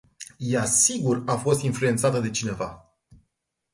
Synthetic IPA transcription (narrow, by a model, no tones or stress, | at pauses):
jasiɡurafo̞st̪influe̞nt̪sat̪əd̪e̞t͡ʃine̞va